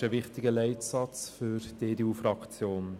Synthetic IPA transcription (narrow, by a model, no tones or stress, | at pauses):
ʃəʋɪχtɪɡəlɛɪtsɑt͡sfyɾd̥eːdeuːfrɑkt͡sjoːn